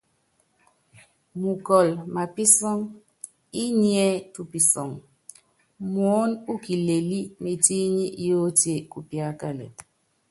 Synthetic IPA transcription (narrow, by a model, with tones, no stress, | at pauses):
mu˨kɔ˨lma˨pi˦sɔ˦ŋ | i˦ɲi˦ɛ˦tu˨pi˨sɔ̰˨ŋ | mo˨˦nu˦ki˨le˨li˦me˨ti˦ɲi˦ʔjo˦tje˦˨ku˨pja˦ka˦lḛ˨